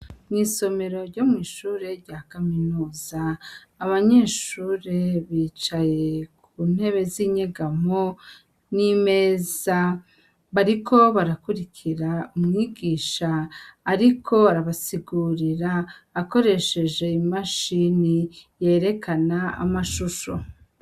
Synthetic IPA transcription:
niːso̞me̞ɾo̞ɾɟo̞mŋiːʃuːɾe̞ɾɟaːkaminuːzaːβaɲe̞ːʃuːɾe̞βiːt͡ʃaje̞kuːn̥he̞βe̞ziːɲeɡamo | nime̞ːza | βaɾikʰo̞βaɾakuɾikʰiɾaumŋiːɡiːʃaːɾikʰo̞aɾaβasiɡuːɾiɾaːko̞ɾe̞ʃe̞ʒe̞imaʃinije̞ːɾe̞kʰanaa̰maʃuʃo̞

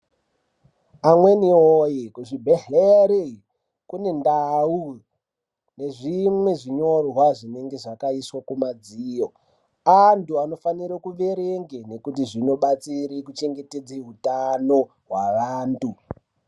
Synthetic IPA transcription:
amwe̞niojikuʐibʱeɦeɾe | kune̞ndau | ne̞ʐimwe̞ʐiɲo̞rɦwaʐine̞ŋɡe̞ʐakaiswakumad͡ziːjo̞ | antuano̞faniɾokuʋe̞ɾeŋɡene̞kut̬iʐino̞ɓat͡siɾikut͡ʃeŋɡe̞ted͡zeɦutano | ɦwaʋaːntu

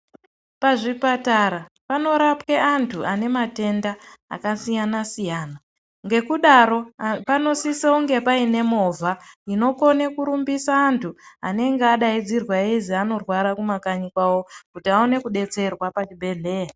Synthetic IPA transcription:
paʐipataɾa | pano̞ɾapkeʔantʰuʔane̞mate̞nda̰ːkasijanasijaːna | ŋɡe̞kuɗaɾo̞pano̞siseuŋɡe̞paine̞mo̞vʱaino̞ko̞nekuɾumbisaːntʰua̰ne̞ŋɡeaɗaid͡zirwaeziano̞rwaɾakumakaɲikwawo̞kutiaone̞kuɗe̞t͡se̞rwapat͡ʃibʱe̞ɮe̞ːja

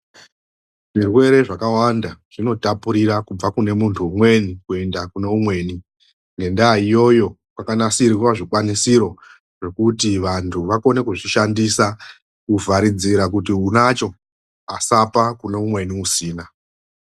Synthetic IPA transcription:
ʐirwe̞ɾe̞ʐakawandaʐ̥ino̞tapuɾiɾakub͡vakune̞muntʰuːmwe̞nikue̞ndakune̞umwe̞ːni | ŋɡe̞ndaijo̞jo̞ | kwakanasirwaʐikwanisiɾo̞ | ʐe̞kutiʋantʰuʋako̞ne̞kuʐiʃandisa | kuvaɾid͡ziɾak̬utiunat͡ʃo̞ | asapakune̞umwe̞niusiːna

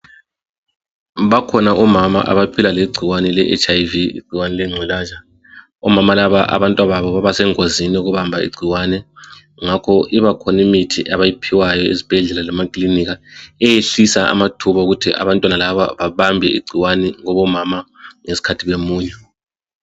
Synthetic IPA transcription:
βakʰɔnaʔɔmama̰ʔa̰βapʰilaleɡ͡ǀʱiwanɛlɛʔɛ̰t͡ʃajviḭɡ͡ǀʱiwanɛlɛŋ͡ǀʱwilaːʒa | ɔmamalaβaʔa̰βantʼwaβaβɔβaβasɛŋoziniɣuβambʱaḭɡ͡ǀʱiwanɛ | ŋakʰɔʔiβakʰɔnimitʰiʔaβajipʰiwajɔḛzib̥ʱɛɮɛlalamakʼliniɣaɛjeɬisaa̰matʰuβauɣutʰiʔa̰βantʼwanalaβa̰βaβambʱɛḭɡ͡ǀʱiwanɛŋɔβɔmamaŋesi̥kʰatʰiβemuːɲɛ

